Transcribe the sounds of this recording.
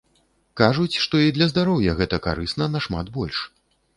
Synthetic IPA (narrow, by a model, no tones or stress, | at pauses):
kaʐut͡sʲʂt̪ɔid̪lʲɐzd̪aɾɔwjɐɣɛt̪ɐka̰ɾɨsnɐnɐʂma̰t̪bɔlʲʂ